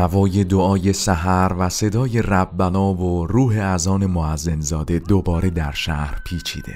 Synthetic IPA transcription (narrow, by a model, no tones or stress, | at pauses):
ævɒːje̞d̪oɒːje̞sæɦæɾvæse̞d̪ɒːje̞ræbːænɒːvoruːɦe̞æzɒːne̞moæzːenzɒːd̪e̞d̪obɒːɾe̞d̪æɾʃæhɾpʰiːt͡ʃʰḭːd̪e̞̰